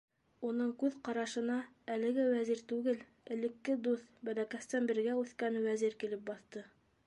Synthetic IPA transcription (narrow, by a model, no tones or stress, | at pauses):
unɤɴkʉðqɑɾɑʃɤ̆nɑ | ælɘ̆ɡɘwæziɾt̪ʉɡɘl | ɘ̆lɘ̆kːɘd̪uθbælækæst̪ænbɘ̆ɾɡæʉθkænwæziɾkilɘp̚bɑθt̪ɤ